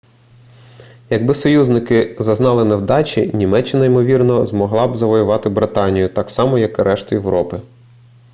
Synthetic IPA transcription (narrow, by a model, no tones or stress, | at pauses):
jɐɡ̚bɪsɔjuznɪkɪzɐznɑlˠɪnɛwd̪ɑt͡ʃʲinʲimɛt͡ʃːɪnɐimɔʋʲirnɔzmɔɦlˠɑbzɐʋɔjʊʋɑt̪ɪbɾɪt̪ɑnʲijʊt̪ɑksɑmɔjɐkɾʔɛʃt̪ʊjeʋɾɔpɪ